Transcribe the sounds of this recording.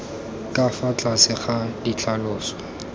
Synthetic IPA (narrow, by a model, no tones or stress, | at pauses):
kʼafat͡ɬʼasɪχadit͡ɬʰalʊːsɔ̥